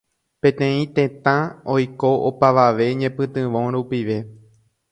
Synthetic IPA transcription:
pẽ̞t̪ẽ̞ĩt̪ẽ̞t̪ãojkoʔopaʋaʋe̞ɲẽ̞pɨ̃t̪ɨ̃ʋõ̞ɾupiʋe̞

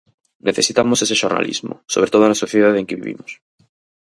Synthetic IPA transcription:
neθe̞sit̪amose̞s̬e̞ʃo̞ɾna̰lʔḭzmo̰so̞βɾet̪o̞ðonasoθjeðaðeŋkeβḭβḭmos

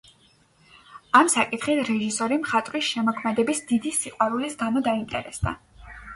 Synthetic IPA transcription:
amsakʼit̪ʰχit̪ʰɾɛʒisɔɾimχat̪ʼɾwisʃɛmɔkʰmɛd̪ɛbisd̪id̪isiqʼwaɾulisɡanɔd̪aint̪ʼɛ̰ɾɛsd̪a̰

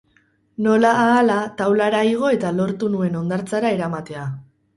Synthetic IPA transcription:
no̞laːlat̪awlaɾaiɣ̞o̞e̞t̪alo̞ɾt̪unue̞no̞nd̪aɾt͡saɾaeɾamat̪e̞a

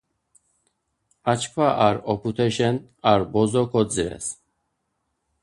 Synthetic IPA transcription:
at͡ʃkʰvaʔaɾɔpʰut̪ʰɛʃɛnaɾbɔzɔkʰɔd͡ziɾɛ̰s

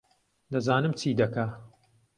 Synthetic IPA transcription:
d̪ɐzaːnɨmt͡ʃʰiːd̪ɐka

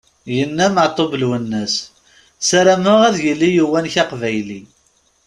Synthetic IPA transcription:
jənːæməʕt̪ˤːoblwənːəs | sæɾæməʁæðjəlːijuwænçɑqvæjli

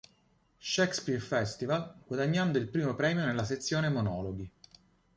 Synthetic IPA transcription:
ʃɛkspirfɛst̪ivalɡwad̪aɲːand̪oilpɾiːmopɾɛːmjonelːas̬et̪sːjoːnemonɔːloɡi

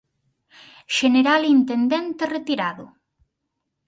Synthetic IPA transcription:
ʃeneɾalint̪end̪ent̪eret̪iɾaðʊ

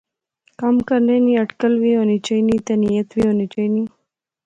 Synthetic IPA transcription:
kamkɐɾneniɐʈkəlwionit͡ʃəjnit̪enijɐt̪wionit͡ʃəjni

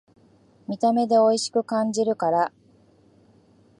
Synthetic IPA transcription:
mʲit̪ame̞d̪e̞o̞iɕi̥kɯ̟kãɲ̟d͡ʑiɾɯ̟kaɾa

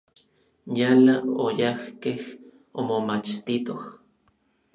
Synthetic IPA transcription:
jalaojahkeh | omomat͡ʃt̪it̪oh

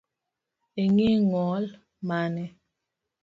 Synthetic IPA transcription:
eŋiŋɔl | manɛ

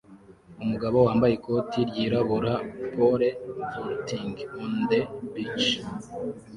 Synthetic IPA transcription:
umuɡaβo̞waːmbajiko̞tʰiɾɟiːɾaβuɾapʰoɾefoɾtʰiŋɡundebit͡ʃ

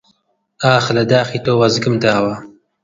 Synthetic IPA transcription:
aːxlad̪aːxit̪oːwɐzɡɨmt̪aːwa

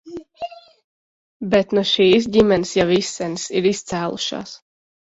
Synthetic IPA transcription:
bɛt̪noʃiːs̬ɟʲimɛnsjɑvisːɛnsiɾist̪saːlṵʃɑ̰s

